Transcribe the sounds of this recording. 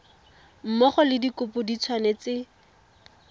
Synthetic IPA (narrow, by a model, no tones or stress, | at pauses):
m̩mɔχɔlɪdikʊpʊdit͡sʰwanet͡sɪ